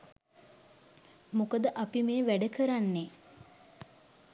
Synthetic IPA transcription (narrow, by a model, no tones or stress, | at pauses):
mokəd̪əʔapimeːʋæɖəkəɾanːe